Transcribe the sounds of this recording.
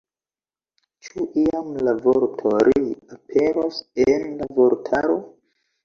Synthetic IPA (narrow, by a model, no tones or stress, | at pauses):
t͡ʃuʔiamlavoɾtʰoɾiapʰe̞ɾosenlavo̞ɾtʰaɾo̞